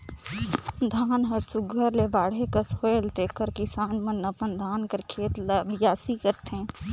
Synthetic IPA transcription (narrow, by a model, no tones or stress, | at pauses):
d̪ʱaːnɦəɾsʊɡʱəɾlebaːɽekəsoːjlt̪eːkəɾkɪsaːnmɐ̃nɐpənd̪ʱaːnkəɾkʰeːt̪ləbjaːsikəɾt̪ɛ̃ː